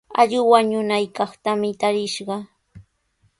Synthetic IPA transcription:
a̰ʎɪwaɲʊnajkɑχt̪amɪt̪aɾɪʃɢɑ

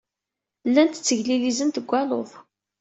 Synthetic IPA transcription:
lːænt̪ə̥t͡sːəʝlilizənt̪əɡʷːæloðˤ

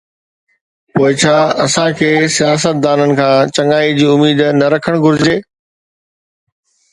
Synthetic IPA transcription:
poːɪt͡ɕʰaːɐsãkʰeːsijaːs̬ət̪̚d̪aːnənɪ̆kʰãːt͡ɕɐ̃ŋaːid͡ʑiːʊmiːd̪nɐɾɐkʰəɽ̃ɡʱʊɾɪd͡ʑeː

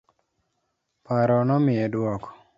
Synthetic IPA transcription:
paɾɔnɔmiedwɔkɔ̥

